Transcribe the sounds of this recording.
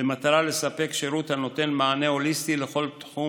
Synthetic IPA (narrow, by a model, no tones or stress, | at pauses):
emat̪aʁale̞sape̞kʃeʁut̪hano̞t̪e̞nmaane̞o̞lisst̪ile̞χo̞lt̪ħu